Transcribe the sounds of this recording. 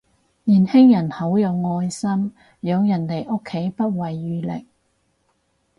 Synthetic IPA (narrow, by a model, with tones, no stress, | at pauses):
niː˨˩nhɪ˥ŋjɐ˨˩nhɐ˨˥wjɐ˨˧wŋɔː˧jsɐ˥m | jœː˨˧ŋjɐ˨˩nt̪e˨jʔo˥kʰːe˨˥jpɐ˥t̚wɐ˨jːyː˨˧lɪ̰˨k̚